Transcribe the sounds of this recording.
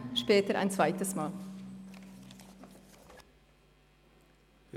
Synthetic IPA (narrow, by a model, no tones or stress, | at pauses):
ʃpeːt̪əɾʔæ̰ɪnsʋæɪt̪əsmɑːl